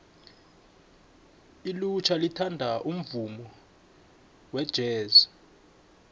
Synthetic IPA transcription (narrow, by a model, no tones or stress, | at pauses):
ilut͡ʃʰalitʰandʱaʔum̩vumɔ | wɛd̥ʒ̥ʱɛːza